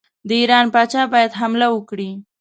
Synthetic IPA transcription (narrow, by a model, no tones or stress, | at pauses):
d̪əiɾɑnpɑt͡ʃɑbɑjad̪ɦamlawəkɽi